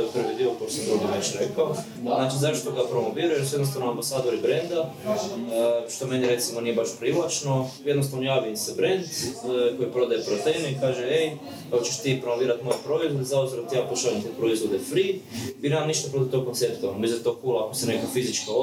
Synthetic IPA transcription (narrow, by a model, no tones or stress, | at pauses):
oepr̩ʋid̪ioposed̪ɾuɡiʋet͡ʃɾekao | anaːt͡ʃizaiʃt̪oɡapɾo̞moʋiːɾajesojed̪nost̪aʋnoambasaːd̪oɾibɾend̪a | ʃt̪ome̞neɾe̞t̪simonijebaʃpɾiʋlat͡ʃnojed̪nost̪aːʋnojaːʋimsebɾend̪ko̞jipɾo̞d̪ajepɾot̪ejneikaːʒeej | kakot͡ʃeʃt̪ipɾomoʋiːɾat̪mo̞jepɾo̞izvwod̪ezaob̪ziɾot̪ijaːpoʃalimt̪epɾoizʋod̪efɾibinemaniʃt̪apɾot̪it̪oɡkonsept̪oanomizʲet̪okuːlakosenekafizit͡ʃkao